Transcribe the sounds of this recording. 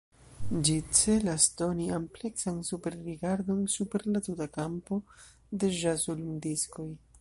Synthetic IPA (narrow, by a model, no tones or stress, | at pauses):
d͡ʒit͡se̞lasdo̞niample̞ksansupe̞ɾːiɡaɾdo̞nsupe̞ɾlatutakampo̞ | de̞ʒazulundisko̞j